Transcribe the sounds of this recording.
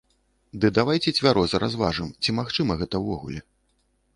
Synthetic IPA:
d̪ɨd̪avajt͡sʲɛt͡sʲvʲaɾɔzɐɾʔazvaʐɨmt͡sʲimaxt͡ʂɨmɐɣɛt̪ɐwvɔɣṵlʲɛ

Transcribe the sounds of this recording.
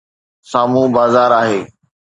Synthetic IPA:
saːmũbaːzaːɾaːɦeː

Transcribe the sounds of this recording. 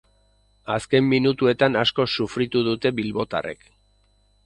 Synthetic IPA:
aske̞mːinut̪ue̞t̪anasko̞sufɾit̪uðut̪e̞βilβo̞t̪a̰re̞̰k

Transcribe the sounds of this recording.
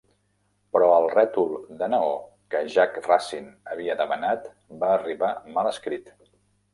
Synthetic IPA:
pɾɔəlˠrɛt̪ulˠd̪ənəo | kəʒakrasinəβ̞iəðəmənat̪ | baːriβamaləskɾit̪

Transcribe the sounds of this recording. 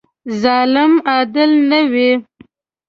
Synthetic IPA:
zɑːlɪmɑd̪ɪlnawi

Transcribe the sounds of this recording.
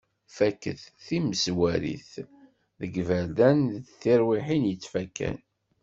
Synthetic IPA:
fækːə̰θθiməzwæɾḭθ | ðəɡvæd̪ænðθiɾwiħinjət͡sːfækːæ̰n

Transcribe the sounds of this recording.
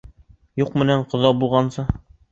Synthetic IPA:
juqmɘ̆næɴqŏðɑbulˠʁɑnsɤ

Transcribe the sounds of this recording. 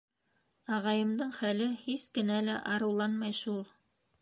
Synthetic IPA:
ɑʁɑjɤ̆md̪ɤɴχælɘhiskɘ̆nælæʔɑɾɤ̆wlˠɑnmɑjʃulˠ

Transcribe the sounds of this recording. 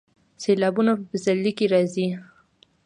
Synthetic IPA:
selɑbunapəzalːikeɾɑzi

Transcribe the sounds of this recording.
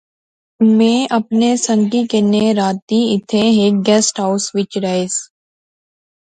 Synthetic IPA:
mẽːʔɐpnesə̃ŋkikeneɾaːt̪ĩɪt̪ʰẽɦeːk̚ɡɛːsʈɦaʊsʋɪt͡ʃɾaes

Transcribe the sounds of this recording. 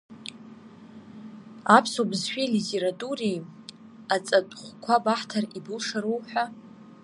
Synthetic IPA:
apʰsobzʃᶣilitʰeɾatʼurij | at͡sʼatʼχʷkʷʰabaħtʰaribɨlʂaɾowħʷᶣa

